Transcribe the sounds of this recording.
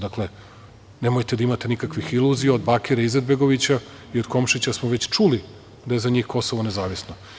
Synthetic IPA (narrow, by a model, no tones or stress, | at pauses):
d̪akle | ne̞mojt̪ed̪aimat̪enikakʋixilˠuzijaod̪baːkeɾaized̪̚be̞ɡo̞ʋit͡ɕa | io̞d̪ko̞mʃit͡ɕasmoʋe̞t͡ɕt͡ʃuli | d̪aje̞zaɲiːxko̞soʋonezaːʋisno